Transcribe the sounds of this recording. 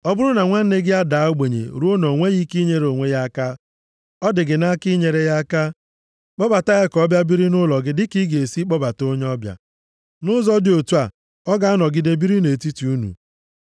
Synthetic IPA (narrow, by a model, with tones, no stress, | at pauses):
ɔ˦bʊ˦ɾʊ˦na˨ŋʷa˦n̩˦ne˦ɡɪ˦a˦daː˨˦o˦ɡ͡be˨ɲḛ˨ɾu˦o˦no˨ŋʷe˦ɣi˦ki˦ɲe˦ɾo˨ŋʷe˦ja˦ka˦ | ɔ˦dɪ˨ɡɪ˨na˦ki˦ɲe˨ɾe˦ja˦ka˦ | k͡pɔ˦ba˨ta˦ɣɪ˦kɔ˦bja˦bi˦ɾi˦nʊ˦lɔ˨ɡɪ˦dɪ˦ki˦ɡe˨si˦k͡pɔ˦ba˨to˦ɲ˦ɔ˦bja̰˨ | nʊ˦zɔ˦dɪ˦o˨tu˦a˨ | ɔ˦ɡa˦a˦nɔ˨ɡɪ˨de˦bi˦ɾi˦ne˨ti˦ti˨˦u˦nṵ˨